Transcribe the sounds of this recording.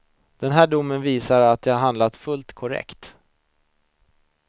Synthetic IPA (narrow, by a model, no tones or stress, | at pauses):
d̪̥ɛnɦæːɖʊmːənviːsaɾat̪̚d̪ɛhaɾɦand̪lat̪fɵlt̪kʰɔɾɛ̰kt̪